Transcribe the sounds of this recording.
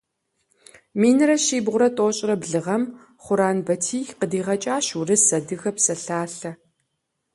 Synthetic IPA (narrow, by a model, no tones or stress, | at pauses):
miːnɨɾɐʃiːbʁʷʊɾɐtʼoːɕʼɪrɐbɮɨʁɐm | χʷʊɾaːnbɐtʰiːqədiːʁɐt͡ʃʼaːɕurɨsɐdɨɣɐpsɐɬaːɬɐ